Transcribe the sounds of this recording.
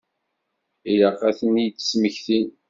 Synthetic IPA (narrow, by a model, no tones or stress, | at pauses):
ilɑqːæθənijt͡sːə̥sməçθin